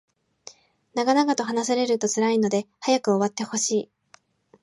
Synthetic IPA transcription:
naɡanaɡat̪o̞ɦanasaɾe̞ɾɯ̟t̪o̞t͡sɨɾaino̞d̪e̞hajakɯ̟o̞βat̪ːe̞ho̞ɕiː

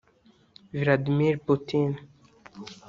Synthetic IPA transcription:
vlad̪miɾput̪in

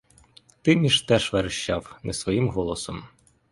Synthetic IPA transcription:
t̪ɪmʲiʃt̪ɛʒʋeɾɪʃt͡ʃɑwnɛsʋɔjimɦɔlˠɔsɔm

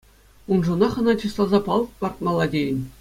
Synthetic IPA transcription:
unʐŭnɑχɤ̆nɑt͡ɕist̪ˠɑlˠzɑpɑlˠpɑrt̪̚mɑlˠːɑdʲejɘ̆nʲ

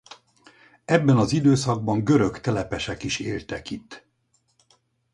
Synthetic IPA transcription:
ɛbːɛnɒzid̪øːsɒɡ̚bɒŋɡø̞ɾø̞kt̪ɛlɛpɛʃɛkiʃeːlt̪ɛkit̪ː

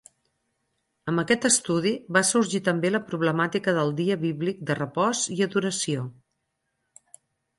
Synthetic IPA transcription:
əmbəkɛt̪əst̪uð̞iβasuɾʒit̪əmbeləpɾuβləmat̪ikəðəlˠd̪iəβiβlik̚d̪ərəpɔziəðuɾəsio

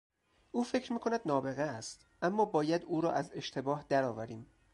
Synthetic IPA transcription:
ʔuːfe̞cʰɾmiːkʰo̞næd̪nɒːbe̞ɣeæst̪ | ʔæmːɒːbɒːjæd̪uːɾɒːʔæze̞ʃt̪ʰe̞bɒːhd̪æɾɒːvæɾiːm

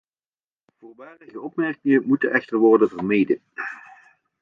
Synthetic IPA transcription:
v̥ʊːɹʋaːrəɣəɔpmɛrkɪŋənmutənʔɛχtərʋɔrdəvərmejdən

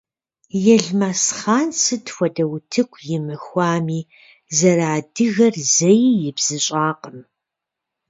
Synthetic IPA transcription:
jɛɮmasχaːnsɨdxʷɐdɐwtʰɨkʷʰjɪmɨxʷɑːmiː | zɐɾaːdɨɣɐrzɐjjɪbz̥ɨɕʼaːqəm

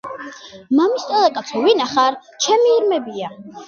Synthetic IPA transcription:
mamist̪ʼɔlˠɛkʼat̪sʰuvinaχaɾt͡ʃʰɛmiːɾmɛbia

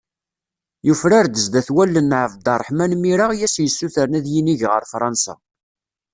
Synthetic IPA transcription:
jufɾaɾd̪əzd̪æθwælːənːʕəvd̪ɑrˤːħmænmiɾaʁjæsjəsːuθəɾnæðjiniʝʁə̰ɾfɾˤɑnsæ̰

